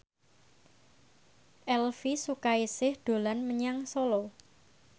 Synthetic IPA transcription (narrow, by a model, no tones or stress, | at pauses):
ʔɛlfisukaisɪhd̪̥o̤lanməɲaŋsolɔ